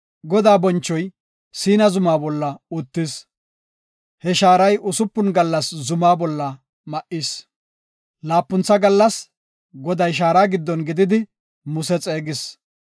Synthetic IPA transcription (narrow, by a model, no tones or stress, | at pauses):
ɡɔd̪aːbɔnt͡ʃːɔj | siːnɐzʊmaːbɔlːɐʊt̪ːɪs | hɛʃaːɾɐjʊsʊpːʊnɡɐlːɐszʊmaːbɔlːɐ | mɐʔɪs | laːpːʊnt͡sːɐɡɐlːɐs | ɡɔd̪ɐjʃ̬aːɾaːɡɪd̪ːɔnɡɪd̪ɪd̪ɪ | mʊsɛt͡sʼeːɡɪs